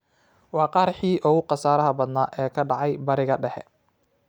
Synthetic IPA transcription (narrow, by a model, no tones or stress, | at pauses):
wɑːqɑːɾħiːʔɔɣʊqɑsaːɾɐɦɐbɐd̪naːʔɛːkʰɐɖɑʕɑjbɐɾɪɣɐɖɛħɛ̰